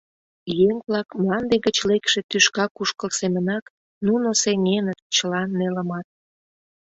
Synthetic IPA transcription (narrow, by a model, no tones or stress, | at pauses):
jeŋβlɑkmɑnd̪eɣət͡ɕlekʃet̪yʃkɑkuʃkəlsemənɑk | nunoseŋenət̪̚t͡ɕəlɑnːeləmɑt̪̚